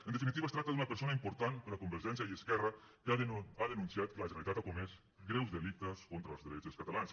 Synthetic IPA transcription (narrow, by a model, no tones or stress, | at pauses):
ənd̪efinit̪iβast̪ɾakt̪aðunɐpəɾsonaimpuɾt̪anpəɾakumbəɾʒɛns̬jaiəskɛrə | kaaðənunsiat̪̚kələʒənalit̪at̪akumɛs | ɡɾɛwzðəlik̚t̪əskont̪ɾalˠzðəɾɛt͡ʃəskat̪alans